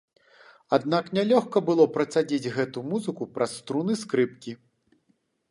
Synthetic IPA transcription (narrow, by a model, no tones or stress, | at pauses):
ad̪̚naknʲalʲɔxkɐbɨlˠɔpɾɐt̪sad͡zʲid͡zʲɣɛt̪umuzɨkupɾʔasːt̪ɾunɨskɾɨp̚kʲi